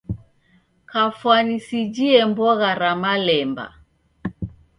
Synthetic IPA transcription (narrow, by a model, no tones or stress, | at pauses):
kafwanisid͡ʒiɛmbɔɣaɾamalɛmba̰